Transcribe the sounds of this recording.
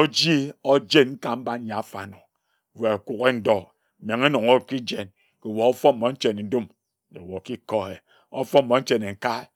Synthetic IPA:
o˦d͡ʒi˦o˦d͡ʒe˦nŋ̩˦ka˨m̩˦ba˦n˦ja˨˦˨fa˨no˨ | we˨a˨ku˨ke˦n̩˦dɔ˦˨ | m˨e˨ŋe˦no˨ŋo˦ki˦d͡ʒe˨n | ke˨wo˨o˦fɔ˦m˨mo˨˦n̩˦t͡ʃe˨ne˨n˦du˦m | e˨wo˨ki˦kɔ˦e˨ | o̰˦fɔ˦m̩˨mo˨˦n̩˦t͡ʃe˨ne˨ŋ̩˨ka˦

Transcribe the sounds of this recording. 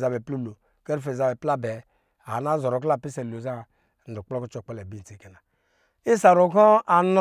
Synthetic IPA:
za˨be˨plu˦lo˨ | ke˦ɾfe˨za˨bɛ˨pla˦bɛ˨ | a˨na˦zɔ˨ɾo˨k̬la˦˨pi˦se˨lo˨za˦˨ | n̩˨du˨k͡po˦ku˦t͡ʃo˦˨k͡pe˦le˨bi˦n˨ti˨ke˨na˨ | i˦sa˨ɾo˨kɔ˦a˨n˦

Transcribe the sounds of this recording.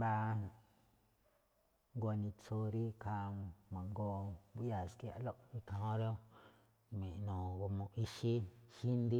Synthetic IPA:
ba˧ | ŋɡo˧nĩ˧t͡so˧ɾi˦kʰa˧mã˨ŋɡo˧bu˦ʔja˧˨ski˧a̰˧˨lo˦ʔi˦kã˧hõ˦ɾo˦ | mĩ˨ʔnõ˨ɡo˧mõ˧ʔi˧ʃi˦hi˦nd̪i˦

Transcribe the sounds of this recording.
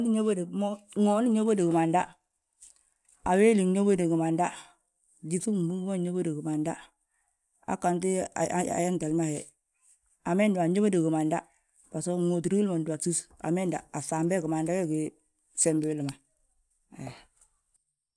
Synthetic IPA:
ni˦ɲo˦bo˦de˨mo˦ŋo˨˦ni˦ɲo˦bo˦de˨ɡi˨ma˨nda˦ | a˨we˦li˨ɲo˦bo˦de˨ɡi˨ma˨nda˦ | d͡ʒi˦fu˦bu˦ŋɡmo˦˨ɲo˦bo˦de˨ɡu˨ma˨nda˦ | a̰˨ka˨nt̬ḭ˦˨a̰˨ja˦nta˨lma˦he˨ | a˨me˦ndu˨a˨ɲo˦ba˦de˨ɡu˨ma˨nda̰˦ | ba˨so˦ŋo˨t̬i˨ɾi˦lmo˨da˨su˦sa̰˨me˦nda̰˨a˨sa˨mbe˦˨ɡi˨ma˨nda˦we˦ɡi˨ | se˨mbi˨wli˨ma˨ | e˨

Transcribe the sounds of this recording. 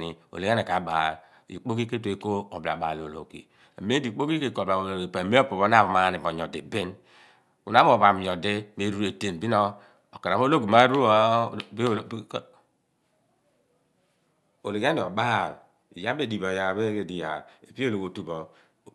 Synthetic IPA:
ni˨o̰˨le˨˦a˦ne˨ka˨˦ba̰˨ | ḭ˨k͡po˦ki˦ke˦t̬o˨e˨ko˦o˨bla̰˨ba̰˨lo˨lo̰˨kḭ˨ | a˨me˦di˨k͡po˦ki˦ke˦ko˨ba˨o˨lo˨e˨pa˨me˦o˦po˨βo˦na˦˨βa˨ma˨˦˨ni˨bo˨ɲ˨ɔ˨di˨be˦n | u˨na˦m˦o˨βa˨m˨ɲɔ˨de˦˨me˨˦ɾu˦e˨te˦˨nbi˦nɔ˦ | o˨ke˨ɾa˨βo˦lo˦ki˨ma˦ɾu˦o˦b | o˨le˨ɡa˦ni˨ɔ˨ba˦˨ | ḭ˨ja˦be˦˨di˨bo˨ja˨be˦e˨di˨ja˨e˨pi˦o˦lo˨ko˨tu˨bɔ˨

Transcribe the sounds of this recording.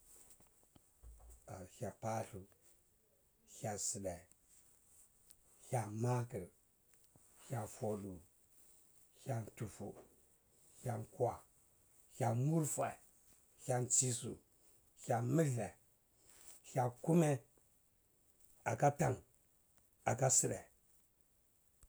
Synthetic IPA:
a˨ça˨pa˦ɬu˨ | ça˨si˨ɗa˨ | ça˨ma˦kə˨ɾ | ha˨fo˨ɗu˨ | ça˦ntu˨fṵ˨ | ha˨nkwa˨ | hʲa˨mu˦ɾfa˨ | hʲa˦nt͡ʃi˦sṵ˨ | hʲa˨mi˦ɮe˨ | ça˨ku˦me˦ | a˨ka˦ta˨ŋ | a˨ka˦si˦ɗe˨

